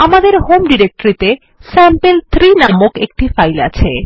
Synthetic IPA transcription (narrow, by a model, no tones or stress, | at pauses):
amad̪eɾɦomɖiɾek̚ʈoɾit̪e | sɛmpelt̪ʰɾinamokek̚ʈifajla̰t͡ɕʰe